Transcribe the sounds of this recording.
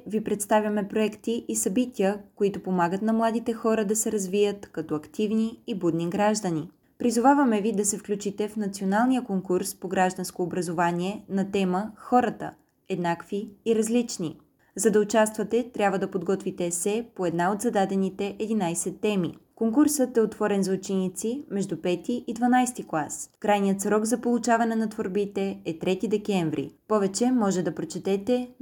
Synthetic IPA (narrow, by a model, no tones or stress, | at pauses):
vipɾɛt̪st̪avʲjɐmɛpɾoɛkt̪iʔisɐbit̪ʲiəkoit̪ʊpomaɡət̪nɐmlˠad̪it̪ɛxɔɾəd̪ɐsɛɾɐzvijət̪kɐt̪ɔɐkt̪ivniːbud̪niɡɾaʒd̪əni | pɾizʊvavɐmɛvid̪ɐsɛfklʲut͡ʃit̪ɛfnɐt̪sionalˠnijəkoŋkuɾspoɡɾaʒd̪ɐnskoːbɾɐzovanʲiɛnɐt̪ɛməxɔɾət̪ə̰ | ɛd̪nakviːɾɐzlit͡ʃni | zɐd̪ɐʊt͡ʃast̪vɐt̪ɛt̪ɾʲabvəd̪ɐpod̪ɡɔt̪vit̪ɛsɛpoɛd̪naot̪zɐd̪ad̪ɛnit̪ɛʔɛd̪inajsɛt̪ːɛmḭkoŋkuɾsət̪ɛot̪vɔɾɛnzvot͡ʃinit̪simɛʒd̪upɛt̪iʔid̪vɐnajst̪iklˠaskɾajnijət̪sɾɔɡzɐpolˠut͡ʃavɐnɛnɐt̪voɾbit̪ɛɛt̪ɾɛt̪id̪ɛkɛɱvɾḭpɔvɛt͡ʃɛmɔʒɛd̪ɐpɾot͡ʃɛt̪ɛt̪ɛ